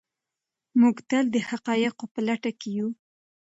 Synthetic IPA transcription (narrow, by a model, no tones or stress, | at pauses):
muɡt̪əld̪əhaqɑjɪqopəlaʈakeju